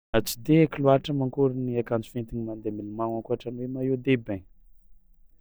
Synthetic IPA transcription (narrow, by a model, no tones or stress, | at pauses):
at͡si̥d̪ekiluaʈ͡ʂəmaŋkuɾiniakant͡su̥fent̪iɲimand̪emilumaŋakuaʈ͡ʂanwemaed̪ebeɲ